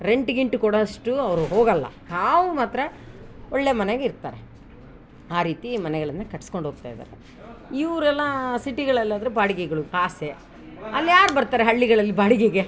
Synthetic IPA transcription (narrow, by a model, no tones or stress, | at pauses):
ɾeɳʈɡiɳʈukɔɽɐʂʈuɐʋɐɾuɦoːɡɐlːɐ̰haːʋumaːt̪ɾɐoɭːemɐneɡeiɾt̪a̰ːɾe | aːɾiːt̪imɐnɛɡɐɭɐnːɐkɐʈːsko̞ɳɖɦoːɡ̚t̪a̰ːjd̪a̰ːɾe | iʋɐɾuɛlːɐsiʈiɡɐɭɐlːaːd̪ɐɾebaːɽiɡeɛɡɐɭukaːse | ɐlːijaːɾbɐɾt̪aːɾeɦɐɭːiɡɐɭɐlːibaːɽiɡɛɡe